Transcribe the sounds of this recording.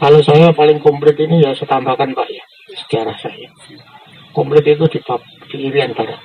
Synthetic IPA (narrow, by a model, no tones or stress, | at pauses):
kalosajapalɪŋkomplɪt̪inijasət̪ambakanpaʔja | sə̥ɡ̥aɾahsa̰ja | kɔmplɪt̪it̪ud̪̥i̤pap̚d̪̥i̤ːɾiant̪ar